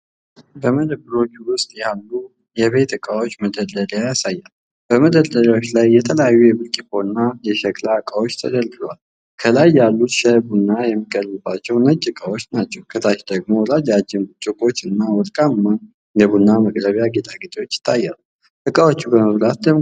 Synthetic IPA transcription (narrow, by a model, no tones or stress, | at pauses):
bəməd̪əbɨɾo̞t͡ʃːuwʊst̪ʼjalːu | jɛβe̞t̪ɨkʼawot͡ʃːməd̪ələljajasajːal | b̥əməd̪əlːəljawo̞t͡ʃːlajːɛt̪ʰələjajːujɛbɨlkʼifonːajɛʃɛkʼlakʼawo̞t͡ʃːt̪ʰə̰d̪əlɡ̪ɨlwal | kʰəlajːalːut̪ʃɛbunːajɛmːiɡəlːəbat͡ʃːɛwnəd͡ʒʼɨkʼawo̞t͡ʃːnat͡ʃːɛwkʰət̪ʰaʃd̪əɡmo̞lad͡ʒad͡ʒːɪnbut͡ʃʼːɨkʼo̞t͡ʃːɨnːawɔt̪ʼkʼamːan | jɛbunːaməɡʼɾəβjaɡet̪ʼaɡɨt̪ʼiwo̞t͡ʃːɪ̥t̪ʰːajːal | ʔɨkʼawo̞t͡ʃːubəməβlat̪̚d̪ə